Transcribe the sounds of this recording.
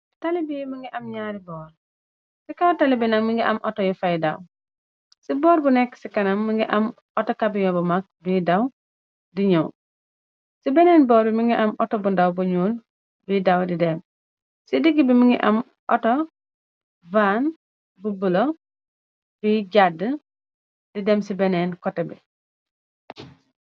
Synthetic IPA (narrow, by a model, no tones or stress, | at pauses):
talibimiŋɡiʔɐmɲaːɾibɔːɾ | sikawtalibinaŋmiŋɡiʔamʔɔtɔjifajdaw | sibɔːɾbunɛkːsikɐnɐmːiŋɡiʔɐm | ʔɔtɔkabiɲɔbumak̚bidaw | diɲɔw | sibɛnɛnbɔːɾbimiŋɡiʔɐmʔɔtɔbundawbuɲul | bidɐwdidɛm | sidiɡibimiŋɡḭʔɐm | ʔɔtɔ | van | bubulɐ | biɟadə | didɛmsibɛnɛːnkɔtːɐbḭ